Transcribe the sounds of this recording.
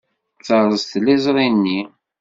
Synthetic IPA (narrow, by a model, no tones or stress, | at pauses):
t͡səɾˤəzt̪lːɪzˤɾˤinːi